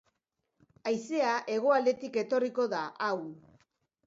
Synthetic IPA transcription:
ajse̞aʔe̞ɣ̞o̞ald̪e̞t̪ike̞t̪o̞riko̞ðaʔaw

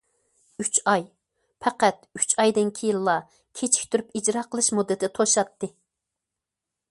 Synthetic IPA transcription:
yt͡ʃɑj | pʰɛqæt̪yt͡ʃɑjd̪ɪnkʲʰijilˠːɑ | kʲʰet͡ʃʰi̥kʲt̪ʰyɾypid͡ʒɾɑqʰəlˠɨʃmud̪ːɨt̪ʰt̪ʰoʃɑt̪ːɨ

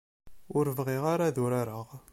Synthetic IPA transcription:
ʊɾvʁiʁaɾaðʊɾaɾəʁ

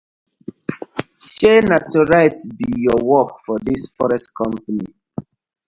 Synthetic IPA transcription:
ʃenatɔɹaɪtbijɔwɔkfɔdisfɔɹɛstkʰɔ̃mpanḭ

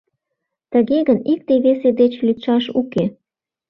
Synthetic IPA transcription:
t̪ə̆ɣeɣənik̚t̪eβesed̪et͡ɕlit̪ʃɑʃuke

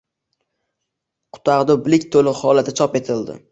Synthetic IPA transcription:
qʰʊ̥t̪aʁd̪ʊblɪkʲt̪ʰolɪhɒlat̪ʰɪt͡ʃʰɒpe̞t̪ʰɪld̪ɪ̰

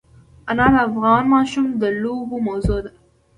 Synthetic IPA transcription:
ɐnɑːd̪əːfɣɑːnmɑːʃumd̪əluːbumɐwzod̪a

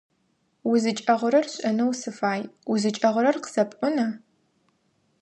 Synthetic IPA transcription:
wʊzɨt͡ʃʼɐʁʷʊɾɐrɕʼɐnɐwsɨfaːjwʊzɨt͡ʃʼɐʁʷʊɾɐrqə̥z̥ɐpʼʷʊnɐ

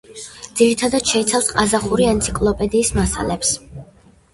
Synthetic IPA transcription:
d̪ziɾit̪ʰad̪at̪ʃɛit̪sʰalˠsqʼazaχuɾiɛnt̪sʰikʼlˠɔpʼɛd̪iːsmasa̰lɛps

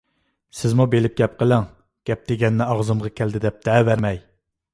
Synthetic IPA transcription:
sɪzmubelɪp̚ɡʲɛp̚qʰəlˠɪŋ | ɡ̥ʲɛp̚d̪̥eɡʲɛnːɪɑʁzɨmʁɑkʲʰæld̪ɪd̪ɛp̚d̪̥ʰɛvæɾmɛj

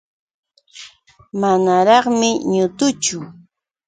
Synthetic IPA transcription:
manaɾɑχmɪɲʊt̪ʊt͡ʃʊ

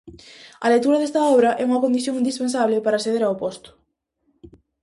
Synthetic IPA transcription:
ɐ̰let̪uɾɐðɛst̪ɐɔβɾɐʔɛuŋɐkond̪iθjoŋĩnd̪ispens̬aβlɪpaɾaːsθeðeɾawpɔst̪ʊ̥

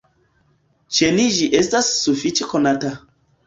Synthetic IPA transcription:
t͡ʃeniʒiʔestasːufit͡ʃekonata

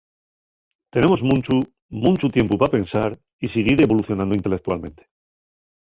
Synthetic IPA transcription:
t̪e̞ne̞mozmũnt͡ʃu | mũnt͡ʃut̪je̞mpupapẽ̞nsaɾ | iseɣ̞iɾe̞βo̞luθjonãnd̪oint̪elek̚t̪ualmẽ̞nt̪e̥

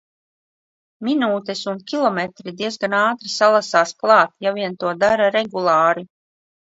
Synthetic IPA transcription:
minuːt̪ɛsunkʲilˠɔmɛt̪ɾid̪iɛzɡanaːt̪ɾisalˠasaːsklˠɑːt̪javiɛnt̪uɔd̪aɾaɾɛɡulˠɑːɾi

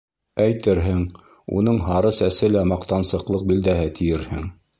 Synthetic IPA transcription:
æjt̪ɘɾɦɘŋ | ṵnɤɴɦɑɾɤsæsɘlæmɑqt̪ɑnsɤ̆qlˠɤq̚bild̪æɦɘt̪ʰijɘɾhɘ̰ŋ

